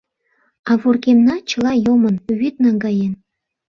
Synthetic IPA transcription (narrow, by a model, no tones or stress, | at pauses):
ɑβurkemnɑt͡ɕəlɑjomənβyt̪̚nɑŋɡɑjen